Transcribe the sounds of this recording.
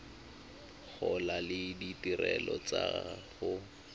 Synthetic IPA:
k͡xʰɔlalɪditirɛlɔt͡saχʊ

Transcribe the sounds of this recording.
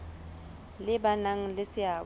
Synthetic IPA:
lɪbanaŋ̩lɪsɪaː

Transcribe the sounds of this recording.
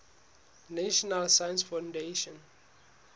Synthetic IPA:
naʃɔnalsajə̃nsfãndeʃɔ̃n

